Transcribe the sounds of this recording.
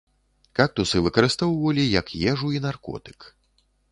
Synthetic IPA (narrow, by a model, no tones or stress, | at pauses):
kak̚t̪usɨvɨkɐɾɨst̪ɔwvɐlʲijɐkjɛʐuinarkɔ̰t̪ɨ̥k